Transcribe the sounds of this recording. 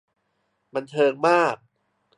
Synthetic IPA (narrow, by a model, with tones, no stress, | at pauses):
ba˧nt̪ʰɤː˧ŋmaː˥˩k̚